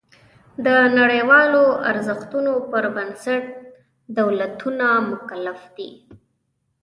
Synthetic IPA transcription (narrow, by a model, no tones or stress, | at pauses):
d̪ənaɽəjwɑloaɾzəxt̪unopəɾbənsaʈ̚ | d̪awlat̪unamʊkalafd̪ḭ